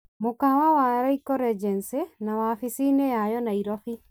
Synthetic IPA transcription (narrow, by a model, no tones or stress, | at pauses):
mokawawaɾɔikɔɾɛd͡ʒɛnsenamafisinejajɔnaiɾɔɸi